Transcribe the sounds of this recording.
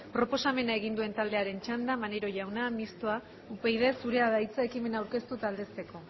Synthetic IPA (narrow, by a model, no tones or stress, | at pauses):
pɾo̞po̞same̞nae̞ɣ̞ind̪ue̞nt̪ald̪e̞aɾe̞nt͡ʃand̪amaneɾo̞ʝawnamist̪oa | upejð̞e̞suɾe̞aðajt͡sae̞kime̞nawɾke̞st̪ut̪ald̪e̞st̪e̞ko̞